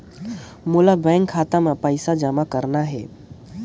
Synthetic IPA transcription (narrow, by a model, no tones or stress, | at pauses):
mulabɛ̃ŋkʰːat̪amepəɪsad͡ʒəmakəɾnaɦɛ